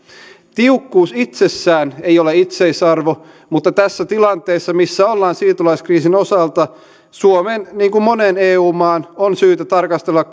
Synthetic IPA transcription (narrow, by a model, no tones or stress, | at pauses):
t̪iukːuːsit̪sesːæːnejoleit̪seisɑrʋo | mut̪ːɑt̪æsːæt̪ilɑnt̪ˑeːsːɑmisːæolːɑːnsiːt̪ulɑiskriːsinosɑlt̪ɑ | suomenniːŋkummoneneːuːmɑːnonsyːt̪æt̪ɑrkɑst̪elːɑk